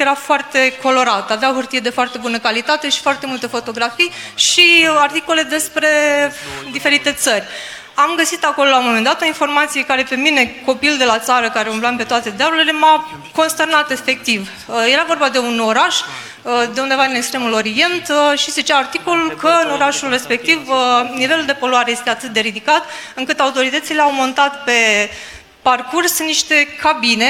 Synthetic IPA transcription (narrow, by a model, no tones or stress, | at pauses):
jeɾafoart̪e̞ko̞lo̞ɾat̪aveaoɦurt̪ije̞d̪e̞foart̪e̞bunəkalit̪at̪e̞ʃi̥foart̪e̞mult̪əfo̞t̪o̞ɡɾafijʃiart̪iko̞le̞d̪espɾe̞ | d̪ife̞ɾit̪e̞t̪sərʲ | amɡəsit̪akololauomo̞me̞nd̪at̪o̞info̞rmat̪sije̞kaɾe̞pe̞mine̞ko̞pild̪e̞lat̪saɾəkaɾeumlampe̞t̪oat̪ed̪eablulele̞ma | ko̞nst̪ernat̪e̞fe̞k̚t̪iv | je̞ɾavo̞rbad̪e̞uno̞ɾaʃ | d̪e̞und̪e̞vad̪inekst̪ɾe̞mulo̞ɾie̞nt̪ʃise̞t͡ʃeaart̪iko̞lulkəɨno̞ɾaʃulre̞spe̞k̚t̪ivnive̞luld̪e̞po̞luaɾe̞je̞st̪eat̪ɨt̪̚d̪e̞ɾid̪ikat̪ɨŋkɨt̪aut̪o̞ɾit̪ət̪sileawmo̞nt̪at̪pe̞ | parkursnːiʃt̪e̞kabine̞